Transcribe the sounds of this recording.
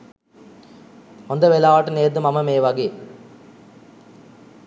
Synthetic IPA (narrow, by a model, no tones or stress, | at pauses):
ond̪ɐʋelaːʋɐʈːɯneːd̪ɨmɐmɐmeːʋɐɡeː